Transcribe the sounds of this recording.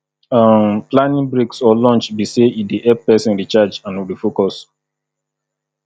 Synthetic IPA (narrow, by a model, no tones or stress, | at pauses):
amplãnĩŋbɹiksɔlɔ̃nt͡ʃbiseidiʔɛb̚pɛsĩnɹit͡ʃad͡ʒãnwibifokɔs